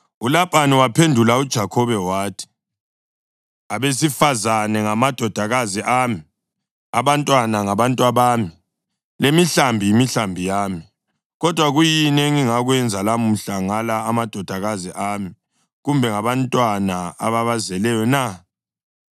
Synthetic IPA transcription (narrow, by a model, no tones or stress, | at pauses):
ulapʼaniwapʰendʱulaud̥ʒ̥ʱakʰɔβɛwaːtʰi̥ | aβesifazanɛŋamad̥ʱɔd̥ʱaɣaziʔaːmi | a̰βantʼwanaŋaβantʼwaβaːmi | lemiɬambʱijimiɬambʱijaːmi | ɣɔd̥ʱwaɣujinɛŋiŋaɣwɛnd͡zʱalamuɬaŋalaːmad̥ʱɔd̥ʱaɣaziʔami | ɣumbʱɛŋaβantʼwanaa̰βaβazɛlɛjɔna